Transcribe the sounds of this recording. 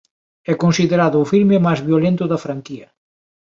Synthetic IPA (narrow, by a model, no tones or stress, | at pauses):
ɛkonsiðeɾaðʊːfiɾmɪmajzβjolent̪ʊðɐfɾaŋkiɐ